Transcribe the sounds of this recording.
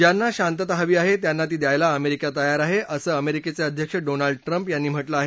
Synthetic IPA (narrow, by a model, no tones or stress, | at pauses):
d͡ʑjanːaɕant̪ət̪aɦaʋiːaɦet̪janːat̪̬iːd̪jajlaəmeɾikat̪əjaɾaɦeʔəsəːəmeɾiket͡seəd̪ʱjəkʂəɖonalɖʈɾəmpjanːiːm̤əʈləaɦe